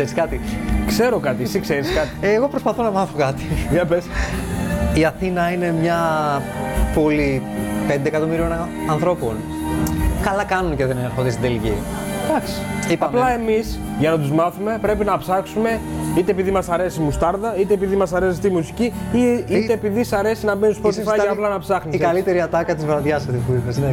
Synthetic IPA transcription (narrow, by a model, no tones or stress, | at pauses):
eɾiskɐt̪ikse̞ɾo̞kɐt̪isikse̞ɾiskɐt̪ieɣo̞pɾospɐθo̞nɐmɐθokɐt̪i̥ðɐpes | iɐθinɐine̞mɲɐ | polipend̪ekɐt̪o̞miɾio̞n | ɐnθɾo̞po̞n | kɐlɐkɐnunce̞ðeneɾxod̪est̪id̪elʝḭ | d̪̥ɐksi̥iɐplɐemis | ʝɐnɐt̪uzmɐθume̞pɾe̞pinɐpsɐksume̞it̪e̞ːpiðimɐsɐɾe̞simust̪ɐɾðɐit̪e̞ːpiðimɐsɐɾe̞sist̪imusiciiit̪eːpiðisɐɾe̞sinɐbenist̪pot̪ifɐɐplɐnɐpsɐxnisikɐlit̪e̞ɾiɐt̪ɐkɐt̪izvɾɐðjɐsot̪ipuipesne